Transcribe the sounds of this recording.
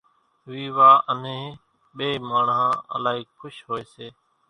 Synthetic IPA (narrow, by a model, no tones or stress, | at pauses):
ʋiːʋaːʔənẽː | ɓeːmaːɳɦãːə̰laːɦiːkʰʊʃɦoːeːseː